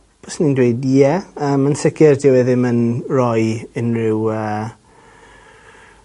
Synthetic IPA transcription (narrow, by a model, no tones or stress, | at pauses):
b̥ɔsnindwejdiɛəːmənsɪɡɪrdɪwɛðɪmənrɔjɪnrɪwə